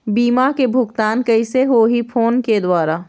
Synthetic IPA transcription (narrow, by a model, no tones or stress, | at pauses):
biːmakebʱʊɡt̪aːnkɐɪseɦoɦipʰoːnked̪waːɾa